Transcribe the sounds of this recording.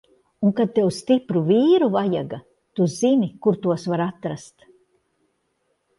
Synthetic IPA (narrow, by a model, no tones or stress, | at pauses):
uŋkad̪̚t̪ewst̪ipɾuviːɾuvaja̰ɡa | t̪uzinikuɾt̪uɔsvaɾat̪ːɾast̪